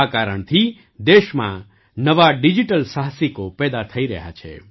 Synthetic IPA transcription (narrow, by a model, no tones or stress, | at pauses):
akaɾəɳt̪ʰi | d̪eʃmã̰ | nəʋaɖid͡ʒiʈəlsaɦəsikopɛd̪at̪ʰəiɾəɦja̰t͡ʃʰḛ